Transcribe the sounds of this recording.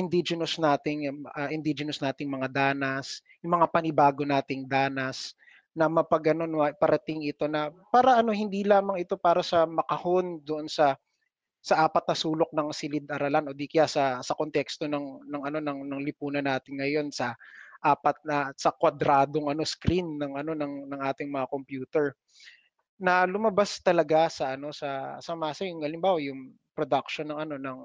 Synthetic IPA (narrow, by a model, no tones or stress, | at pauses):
ʔɪnd̪id͡ʒɛnɐsnaːt̪ɪŋɐʔɪnd̪id͡ʒɛnɐsnaːt̪ɪŋmɐŋad̪aːnɐs | jʊŋmɐŋapɐnɪbaːɡo̞naːt̪ɪŋd̪aːnɐs | nɐmɐpɐɡɐno̞noɐpɐɾɐt̪ɪŋɪt̪o̞nɐpaːɾɐʔɐno̞hɪnd̪iːlaːmɐŋɪt̪o̞paːɾɐsɐmɐkɐho̞nd̪oʔonsɐ | sɐʔaːpɐt̪nɐsuːlo̞k̚nɐŋsɪlɪd̪ʔɐɾɐlanʔod̪ikjasɐsɐkont̪ɛkst̪o̞nɐŋnɐŋɐno̞nɐŋnɐŋlɪpuːnɐnaːt̪ɪnŋɐjo̞nsɐʔaːpɐt̪̚nɐsɐkwɐd̪ɾaːd̪o̞ŋɐno̞skɾinːɐŋʔɐno̞nɐŋnɐŋʔaːt̪ɪŋmɐŋako̞mpjuːt̪ɛɹ | nɐlʊmɐbast̪ɐlɐɡasɐʔɐno̞sɐsɐmaːsɐjʊŋɐlɪmbaːwɐjʊŋ | pɾod̪ak̚ʃonːɐŋɐno̞nɐŋ